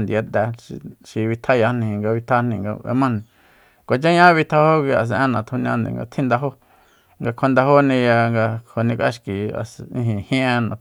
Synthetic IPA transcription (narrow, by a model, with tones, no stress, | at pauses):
nd̪i˨a˧˦t̪a˧ḭ˧ʃi˧βi˧t̪ʰa˦ja˧nĩ˧˨ŋɡa˧βi˧t̪ʰa˦nĩ˧˨ŋɡa̰˧ḛ˧mã˦˧nĩ˧ | kʷa˨t͡ʃa˦ɲã˦βi˧t̪ʰa˦ho˦kʷi˧a˨s̬ʔẽ˦nã˨t̪ʰo˧nj̃ã˧nd̪ḛ̃˨ŋɡa̰˧t̪ʰĩ˦nd̪a˧ɦo˦ | ŋɡa˧kʷʰa˧nd̪a˧ɦo˦nĩ˧ja˧ŋɡa˧ho˨nĩ˧ka̰˦ʃki˨a̰˨sĩ˧ɦĩ˨hĩ˦ʔe˧nã̰˨